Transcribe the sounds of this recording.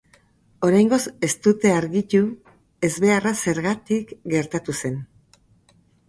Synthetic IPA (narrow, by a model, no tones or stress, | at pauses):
o̞ɾajŋɡo̞se̞st̪ut̪e̞aɾɣic̪u | e̞zβe̞arase̞ɾɣat̪ikɡe̞ɾt̪at̪use̞n